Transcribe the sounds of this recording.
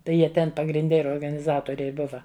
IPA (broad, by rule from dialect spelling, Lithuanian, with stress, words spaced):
ˈtɐɪ ˈjiɛ ˈtʲɛn pɐɡrʲɪnʲˈdʲɛ ɪr oːrɡɐnʲɪˈzɑːtoːrʲɛɪ ˈbʊʋɐ